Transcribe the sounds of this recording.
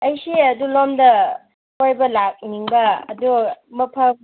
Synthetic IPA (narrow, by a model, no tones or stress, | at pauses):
ɐjsiɐdulomdɐ | kojbɐlak̚niŋbɐɐ̰dumɐpʰa